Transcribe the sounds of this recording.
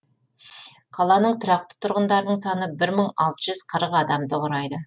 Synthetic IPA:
qʰɑlˠɑnəɴt̪ʰʊɾɑqt̪ə̥t̪ʰʊɾʁənd̪ɑɾnəɴsɑnəbɪɾməɴɑ̰lˠt̪əʒʏz̥qʰəɾəqɑd̪ɑmd̪əʁəɾɑjd̪ə

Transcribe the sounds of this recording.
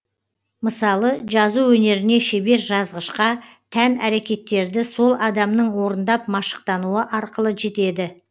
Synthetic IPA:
məsɑlˠəʒɑzuwɵne̞ɾɪne̞ʃebe̞ɾʒɑzʁəʃqɑ | t̪ʰænæɾe̞kʲe̞t̪ːe̞ɾd̪ɪso̞lˠɑd̪ɑmnəɴwo̞ɾənd̪ɑp̚mɑʃə̥q̚t̪ɑnuəʔɑɾqəlˠəʒe̞t̪e̞d̪ɪ

